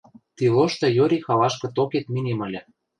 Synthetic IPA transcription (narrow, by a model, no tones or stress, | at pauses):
t̪iloʃt̪ɤ̆joɾʲixɑlɑʃkɤ̆t̪oket̪minemə̆lʲɘ̆